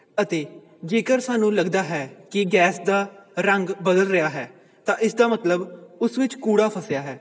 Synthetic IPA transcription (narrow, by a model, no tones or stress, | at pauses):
ət̪eː | d͡ʒeːkəɾsaːnũːləɡd̪aːɦɛːkɪɡɛːsd̪aːɾəŋɡbəd̪əlɾɪjaːɦɛː | t̪ãːʔɪsd̪aːmət̪ləbʊsʋɪt͡ʃkuːɽaːpʰəsɪjaːɦɛː